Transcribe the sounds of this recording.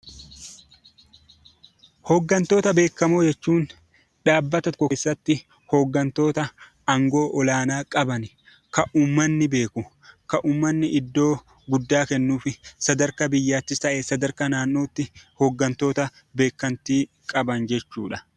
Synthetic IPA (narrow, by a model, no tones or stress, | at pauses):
hɔːɡːɐnt̪o̞ːt̪ɐbe̞ːkːɐmoːd͡ʒɛt͡ʃːuːn | ᶑaːbːɐt̪ɐt̪kɔːsːɐt̪ːɪ | hoːɡːɐnt̪o̞ːt̪ɐ | ɐŋɡo̞ːʔɔlaːnaːkʼɐbɐnɪ | kɐʔuːmːɐnːɪbe̞ːkʊ | kɐʔuːmːɐnːɪʔɪd̪ːo̞ː | ɡʊd̪ːaːkɛnːuːfɪsɐd̪ɐɾkɐbɪjːaːt̪ːɪst̪ɐʔeːsɐd̪ɐɾkɐnaːnːo̞ːt̪ːɪhɔɡːɐnt̪o̞ːt̪ɐ | be̞ːkːɐnt̪iː | kʼɐbɐnd͡ʒɛt͡ʃːuːᶑɐ